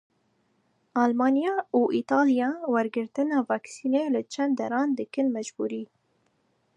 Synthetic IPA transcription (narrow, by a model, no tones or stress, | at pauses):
ʔɑːlmɑːnijɑːuːʔit̪ɑːlijɑːwɛɾɡɨɾt̪ɨnɑːvɑːksiːneːlɨt͡ʃʰɛnd̪̚ɛɾɑːnd̪ɨkɨnmɛd͡ʒbuːɾiː